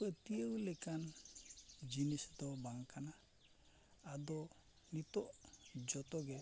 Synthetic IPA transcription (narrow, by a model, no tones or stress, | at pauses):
ɛt̪iəwlɛkan | d͡ʒinisd̪ɔbaŋkanaː | d̪ɔ | nit̪ɔʔd͡ʒɔt̪ɔɡɛ